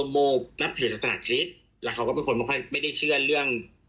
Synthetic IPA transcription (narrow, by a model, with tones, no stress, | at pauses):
moː˧˩p̚na˦˥p̚t̪ʰɯː˨˩˦sa˨˩t̪ʰa˧na̰ː˨˧˩kʰɾi˦˥t̪̚ | lɛ˦˥˩kʰa˦wkɔ˥˩pe˧nkʰo˧nma˥˩kʰɔ˥˩jma˥˩jda˥˩jt͡ɕʰɯ˥˩əɾɯ˥˩əŋ